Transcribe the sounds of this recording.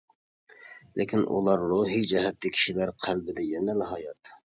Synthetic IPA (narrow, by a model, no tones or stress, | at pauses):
lʔekʲʰinʔṵlˠɑɾːuɦid͡ʒɛɦɛt̪ːɪkʲʰi̥ʃilæɾqʰælbɪd̪ɛjɛnɛnɪɦɑjɑt̪